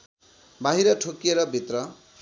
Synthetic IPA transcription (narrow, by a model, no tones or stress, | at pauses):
baɦiɾʌʈʰokjeɾʌbʱit̪rʌ